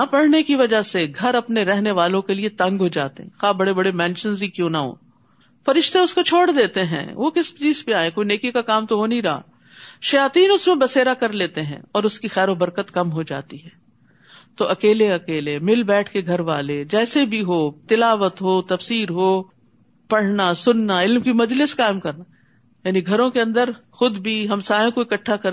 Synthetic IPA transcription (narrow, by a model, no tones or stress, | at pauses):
apɐɽ̤nekiʋɐd͡ʒaseɡʱɐɾɐpneɾɛɦneʋaːlõkeliet̪ɐ̃ŋɡɦod͡ʒaːt̪eɦɛ̰̃xaːbɐɽebɐɽemɛ̃ːnʃənzikjõːnaɦõ̰ː | fɐɾɪʃt̪ẽʊskot͡ʃʰoːɽd̪eːt̪eɦɛ̰̃ːʋokɪst͡ʃiːzpeaːẽkoːineːkikakaːmt̪oɦonɐɦĩɾɐɦa̰ | ʃɐjaːt̪iːnʊsmẽbɐseːɾakɐɾleːt̪eɦɛ̰̃ɔːɾʊskixɛːɾobɐɾkət̪kɐmɦod͡ʒa̰ːt̪iɦɛː | t̪oʔɐkeːleɐkeːlemɪlbɛːʈʰkeɡʱɐɾʋaːled͡ʒɛːsebʱiɦoːt̪ɪlaːʋət̪ɦoːt̪ɐfsiːɾɦoː | pɐɽ̤nasʊnːaɪlmkimɐd͡ʒlɪskaːɪmkɐɾna | jaːniɡʱɐɾõkeɐ̃nd̪əɾxʊd̪bʱiɦɐmsaːjõkoikɐʈʰːakɐ